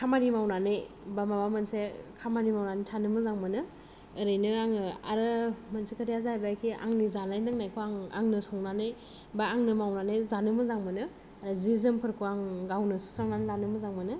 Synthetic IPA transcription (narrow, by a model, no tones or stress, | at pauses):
kʰamanimawnanej | bamabamɯnsekʰamanimawnanitʰanɯmɯzaŋmɯnɯː | ɾɯjnɯaŋɯa̰ɾɯmansekʰatijazaajbakʰia̰ŋnizanajnaŋnajkʰuaŋa̰ŋnɯsɔŋnanɯj | baaŋnɯmawnanajzanɯmɯzaŋmɯnɯ | aɾazizɯmpʰɯɾkʰuaŋɡawnɯsu̥saŋnanlanɯmɯzaŋmɯnɯ